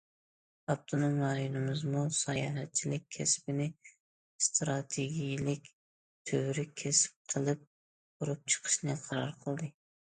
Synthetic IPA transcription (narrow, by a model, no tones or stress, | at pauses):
ɑpt̪ʰonomɾɑjonɨmzmusɑjɑ̰ːɦɛt̪̚t͡ʃʰːilɪk̚ʲʰːɛspɪnɪ | st̪ɾɑt̪ʰeɡʲijilɪkʲ | t̪ʰøwɾɪkʲʰɛsɪ̥p̚qʰəlˠɨp̚ | buɾup̚t͡ʃʰə̥qʰə̥ʃnɨqʰɑɾɑɾqʰəlˠd̪ɨ